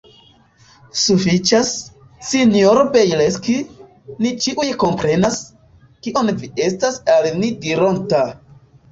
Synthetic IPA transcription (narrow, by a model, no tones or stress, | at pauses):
sufit͡ʃasː | inijoɾobejleski | nit͡ʃiʔujko̞mpɾe̞nas | kiʔo̞nvie̞stasalnidiɾo̞nta